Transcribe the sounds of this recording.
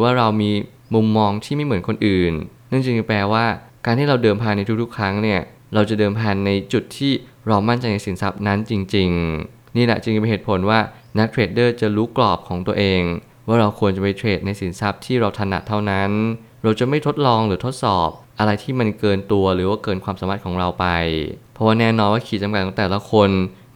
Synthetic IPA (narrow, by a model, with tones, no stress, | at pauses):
ɯ˩˦waː˥˩ɾa˧wmiː˧ | mu˧mːɔː˧ŋt̪ʰiː˥˩ma˥˩jm˩˦ənkʰo˧nʔɯː˨˩nː | ɯ˥˩ŋt͡ɕi˧plɛː˧waː˥˩kaː˧nt̪ʰiː˥˩ɾa˧wdɤː˧mpʰaː˧nːa˧jt̪u˦˥k̚t̪ʰu˦˥kʰːɾa˦˥ŋni˥˩ɐ | ɾa˧wt͡ɕa˨˩dɤː˧mpʰaː˧nːa˧jt͡ɕu˨˩t̪ʰːiː˥˩ | ɾa˧wma˥˩nt͡ɕa˧jna˧jsi˩˦nsa˦˥p̚na˦˥nt͡ɕi˧ŋt͡ɕi˧ŋ | niː˥˩lɛ̰˨˩t͡ɕi˧ŋpɦeː˨˩t̪̚pʰo˩˦nwaː˥˩ | na˦˥k̚tʰeː˨˩t̪̚dɤː˥˩t͡ɕa˨˩ɾuː˦˥klɔː˨˩p̚kʰɔː˩˦ŋt̪u˧ɐʔeː˧ŋ | waː˥˩ɾa˧wkʰu˧ənt͡ɕa˨˩pa˧jt̪ʰeː˨˩t̪̚na˧jsi˩˦nsa˦˥p̚t̪ʰiː˥˩ɾa˧wt̪ʰa˧nːa̰˨˩t̪ʰːa˥˩wna˦˥n | ɾa˧wt͡ɕa˨˩ma˥˩jt̪ʰo˦˥t̪̚lɔː˧ŋɾɯː˩˦t̪ʰo˦˥t̪̚sɔː˨˩p̚ʔa˧ɾa˧jt̪ʰiː˥˩ma˧nkɤː˧nt̪u˧ɐɾɯː˩˦waː˥˩kɤː˧nkʰwaː˧msaː˨˩˦ma˨˩t̪̚kʰːŋɾa˧wpa˧jpʰɔ˦˩waː˥˩nɛː˥˩nɔː˧nwaː˥˩kʰiː˨˩t͡ɕa˧mka˨˩t̪̚ʰːɔ˩˦t̪ɛː˨˩la˨˦kʰo˧n